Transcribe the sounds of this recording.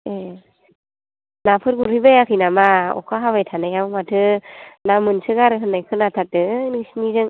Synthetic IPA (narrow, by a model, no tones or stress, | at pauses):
e | napʰɯɾɡuɾhibajakʰɯnamaɔ̰kʰaɦabajtʰanajawmatʰɯnamɯnsɯɡaɾɯɦɯnːajkʰɯnatʰat̚ɯnisnizɯŋ